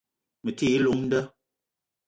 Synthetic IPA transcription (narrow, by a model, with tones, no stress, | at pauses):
mə˨ti˦˨˦lo˨˦ŋn̩˦də˦